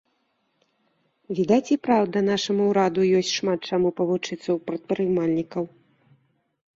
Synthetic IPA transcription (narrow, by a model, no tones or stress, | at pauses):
vʲid̪at͡sʲipɾawd̪ɐn̪aʂɐmuwɾad̪ujɔsʲtʲʂmat̪̚t͡ʂamupɐvut͡ʂɨt̪sːɐwpɾɐt̪̚pɾɨmalʲnʲikɐw